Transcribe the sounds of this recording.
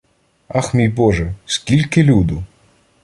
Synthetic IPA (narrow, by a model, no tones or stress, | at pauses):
axmʲijbɔʒɛskʲilʲkɪlʲud̪ʊ